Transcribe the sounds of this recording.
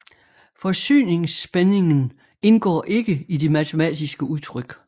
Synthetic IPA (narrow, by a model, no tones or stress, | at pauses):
fɒ̽sy̰ːne̝ŋsb̥ene̝ŋn | e̝nɡ̥ɒ̰ːʔe̝ɡ̥əid̥e̝mæt͡sʰe̝mɛ̰ːd̥isɡ̥əuðˠt͡sʰʁœɡ̥